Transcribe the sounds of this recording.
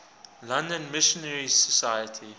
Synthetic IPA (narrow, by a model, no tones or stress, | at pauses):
lãndə̃nmɪʃɔ̃nɛɹisɔsajətʰi